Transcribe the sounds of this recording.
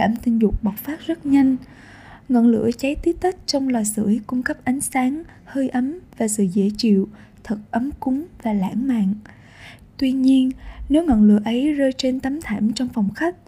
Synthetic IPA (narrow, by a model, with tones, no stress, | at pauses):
aː˧˩mt̪ï˧˩ŋ̟zʊ˨˩k͡p̚ɓa˨˩k͡p̚faː˦˥t̚zə˦˥t̚ɲa˧jŋ̟ | ŋə̰˧˨nlɨ̰˧˥ət͡ɕa˨˦jt̪i˦˥p̚t̪ə˦˥t̚t͡ɕɔ˧wŋ͡mlaː˨˩jsɨ̰˧˩əjkʊ˧ŋ͡mkə˦˥p̚ʔa˨˦jŋ̟saː˨˦ŋ | həː˧jʔə˨˦mvaː˨˩sɨ̰˧˨zḛ˧˥˩t͡ɕḭ˧˨w | t̪ʰə˨˩t̚ʔə˨˦mkʊ˨˦ŋ͡mvaː˨˩la̰ː˧˥ŋma̰ː˧˨n | t̪wi˧ɲi˧ənne˨˦wŋə̰˧˨nlɨ̰˧˨əʔə˨˦jzəː˧jt͡ɕe˧nt̪ə˨˦mt̪ʰaː˧˩mt͡ɕɔ˧wŋ͡mfɔ˨˩wŋ͡mxa˦˥k̚